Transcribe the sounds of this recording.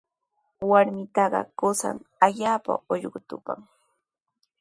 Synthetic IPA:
waɾmɪt̪ɑɢɑ̰kʊsa̰ŋaʎaːpa̰oʎɢʊt̪ʊpa̰ŋ

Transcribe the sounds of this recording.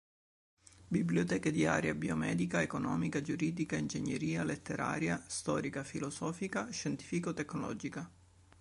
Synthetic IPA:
bibljot̪ɛːked̪ia̰ːɾjabiomɛːd̪ikaekonɔːmikad͡ʒuɾiːd̪ikaind͡ʒeɲːeɾiːalet̪ːeɾa̰ːɾjast̪ɔːɾikafilɔsɔːfikaʃɛnt̪i̥ːfikot̪ːɛkːnɔlɔ̰ːd͡ʒika

